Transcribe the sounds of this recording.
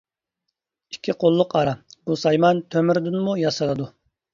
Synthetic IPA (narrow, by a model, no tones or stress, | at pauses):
i̥kʲʰːiqʰolˠːʊqɑɾɑb̥usɑjmɑnt̪ʰømɪɾd̪ɨnmujɑsɨlˠɨd̪u